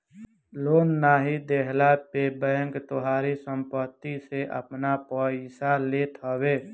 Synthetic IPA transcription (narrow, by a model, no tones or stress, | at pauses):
loːnːaːɦid̪eːɦlapebəəŋkt̪ʊɦaːɾisə̃mpət̪ːiseʔə̰pnapəɪsaleːt̪ɦəweː